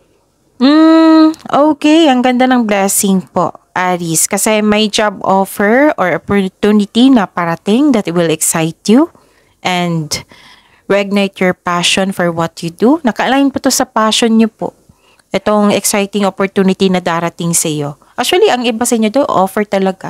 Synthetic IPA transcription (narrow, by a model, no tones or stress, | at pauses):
m̩ | ʔoːkɛjʔɐŋɡɐnd̪anɐŋblɛsɪŋpo̰ʔʔaɾiskɐsɛmɐjd͡ʒab̚ʔofɛɹʔoɹʔopot̪unɪt̪inɐpɐɾɐt̪ɪŋd̪ɐt̪wɪlɛksajt̪ju | ʔɛ̃nd̪ | ɹɛɡ̚nejt̪jɔɹpaʃonfɔɹwɔt̪jud̪unɐkɐʔɐlaːjɪnpɐt̪o̞sɐpaːʃonɲopo̰ʔ | ʔɛt̪oŋɛksajt̪ɪŋopoɹt̪uːnɪt̪inɐd̪aːɾɐt̪ɪŋsɐjo̞ʔak̚t͡ʃuɐliʔɐŋɪbasɐʔɪɲod̪oʔofɛɹt̪ɐlɐɡa